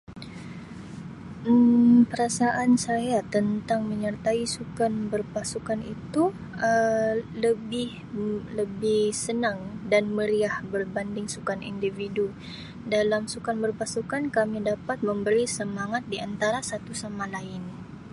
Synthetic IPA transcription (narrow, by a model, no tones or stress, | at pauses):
əpəɾasaʔansajat̪ənt̪aŋməɲərt̪aisukanbərpasukanit̪u | ələbɪh | ləbɪhsənaŋdanməɾiahbərbandɪŋsukanʔḭndividu | dalamsukanbərpasukankamidapat̪̚məmbəɾisəmaŋat̪̚diant̪aɾasat̪usamalaɪn